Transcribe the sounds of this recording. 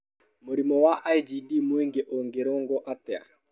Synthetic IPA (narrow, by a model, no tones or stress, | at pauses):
moɾimɔwaʔajd͡ʒidimweŋɡeʔoŋɡeɾoŋɡɔʔatɛa̰